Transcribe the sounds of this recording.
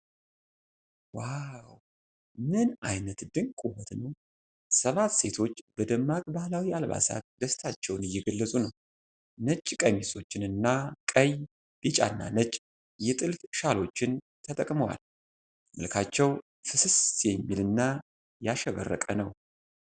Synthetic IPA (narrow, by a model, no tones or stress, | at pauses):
waw | mɨnajnət̪d̪ɨŋkʼuhɔt̪nəw | səβat̪se̞t̪ʰo̞t͡ʃːb̥əd̪əmːakʼbahlawialβa̰sa̰t̪̚d̪əst̪ʰat͡ʃːɛwnɪjːɛɡəlːəsʼunəw | nət͡ʃʼːkʼəmiso̞t͡ʃːɪnɨnːakʼəj | b̥it͡ʃʼa̰nːa̰nət͡ʃʼ | jɛt̪ʼɨlfʃalo̞t͡ʃːɪn | t̪ʰət̪ʼəkʼməwa̰l | mɨlkʰat͡ʃːɛw | fɨsɨsjɛmːilɨnːa | jaʃɛβə̰rːə̰kʼənəw